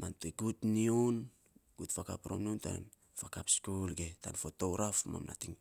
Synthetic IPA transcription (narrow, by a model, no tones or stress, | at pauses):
manteɡutniun | ɡ̥utfakapɾomnunta̰n | fakapskulɡeta̰nfotowɾafma̰mna̰tiŋ